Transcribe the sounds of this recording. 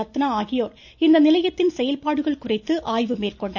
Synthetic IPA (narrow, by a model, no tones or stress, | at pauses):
ɐt̪ːɐnɐaːɣijoːr | ind̪ɐnilɐjɐt̪ːinsejɐlpaːɽuɣɐɭkurɐɪt̪ːɨʔaːjʋɯmeːrkoɳɖɐ